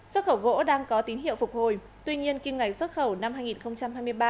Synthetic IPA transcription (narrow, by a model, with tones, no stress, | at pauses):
swə˦˥t̚xə˧˩wɣo̰˧˥ɗaː˧ŋkɔ˨˦t̪i˨˦nɦḭ˧˨əwfʊ˨˩k͡p̚ho˨˩j | t̪wi˧ɲi˧ənki˧mŋa˨˩jswə˦˥t̚xə˧˩wna˧mhaː˧jŋi˨˩nxə˧wŋ͡mt͡ɕa˧mhaː˧jmɨ˧əjɓaː˧